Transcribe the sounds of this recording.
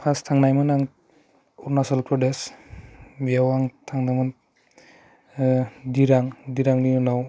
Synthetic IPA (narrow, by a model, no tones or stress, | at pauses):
pʰastʰaŋnajmɯnaŋ | uɾnasɔlpɾɔdes | biawaŋtʰaŋnajmɯn | diɾaŋdiɾaŋnijɔnaw